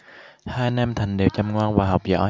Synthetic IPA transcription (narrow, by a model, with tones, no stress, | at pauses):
haː˧jnɛ˧mt̪ʰa˨˩jŋ̟ɗe˨˩wt͡ɕa˨˩mŋwaː˧nvaː˨˩ɦa˨˩wk͡p̚zɔ̰ː˧˥